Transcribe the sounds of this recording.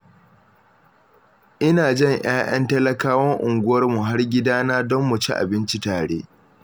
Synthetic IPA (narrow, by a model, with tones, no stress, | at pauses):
ʔɪ˦naː˨d͡ʒɛ˦˨ɲj̰aː˦ʔɐ˦ntɐ˦lɐ˦kaː˦wɐ˦ŋʔʊ˨ŋɡʷʊ˦wɐ˦rmu˨ɦa˦rɡʲɪ˦daː˦naː˦dɔ˦mːʊ˨t͡ʃḭ˦ʔa̰˨bɪ˦nt͡ʃi˦taː˨ɽeː˦